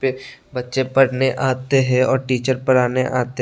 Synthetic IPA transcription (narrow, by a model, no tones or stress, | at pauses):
pebɐtːʃepɐɽneʔaːt̪eɦɛɔːɾʈiːt͡ʃəɾpɐɾaːneʔaːt̪e